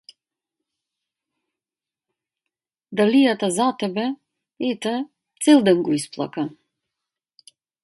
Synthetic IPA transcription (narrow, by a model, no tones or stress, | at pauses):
d̪alijat̪azat̪ɛbɛ | et̪ɛ | t̪sɛlˠd̪əŋɡuisplˠa̰ka